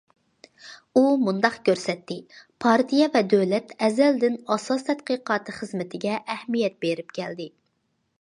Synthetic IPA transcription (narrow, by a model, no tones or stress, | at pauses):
umund̪ɑqkʲʰøɾsɛt̪ːɪpʰɑɾt̪ʰijɛvɛd̪øwlɛt̪ʰɛzɛld̪ɪnɑsɑst̪ʰɛd̪̚qəːqɑːt̪ʰɨχəzmɪt̪ʰɪɡʲɛʔɛhmijɛt̪̚beɾɪp̚kʲʰɛld̪ɪ